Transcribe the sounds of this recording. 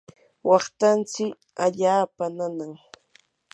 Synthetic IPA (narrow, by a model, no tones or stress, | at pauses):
wɑχt̪ant͡sɪk | aʎaːpananaŋ